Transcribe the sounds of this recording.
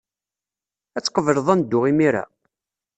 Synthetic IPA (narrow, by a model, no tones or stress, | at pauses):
æt͡sːqːəvəɾəðˤænd̪ːʊʁimiɾa̰